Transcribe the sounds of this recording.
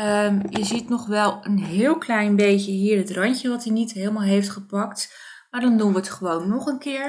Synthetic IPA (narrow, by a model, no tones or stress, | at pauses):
əjəzitnɔχʋɛlˠənɦɪːlˠklɛjnbejcəɦiːɹətrɑncəʋɑtinitɦelˠəmaːlˠɦejftχəpɑkt | maːɹdɑndunʋəətχəʋownːɔχənkɪːɹ